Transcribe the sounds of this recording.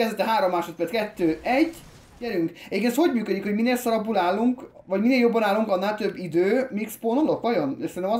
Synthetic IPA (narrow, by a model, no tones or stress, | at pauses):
ɛzɛt̪ɛɦaːɾomːaːʃot̪̚peːt̪kɛt̪ːøːɛɟː | jɛɾyŋkɛɟekensho̞ɟmyːkød̪ikhoɟmineːlsɒɾɒbːuːlaːlːuŋk | vɒɟmineːljo̞bːɒnaːlːuŋkɒnːaːlt̪ø̞bːid̪øːmiksponolokʋɒjoneʃsɛnt̪ːmɒ